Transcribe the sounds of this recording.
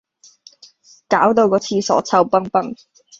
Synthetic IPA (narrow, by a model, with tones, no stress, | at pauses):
kaː˨˥wt̪o˧wkɔː˨˧˥t͡sʰiː˧sɔ̰ː˨˥t͡sʰɐ˧wpɐ˥ŋpɐ˥ŋ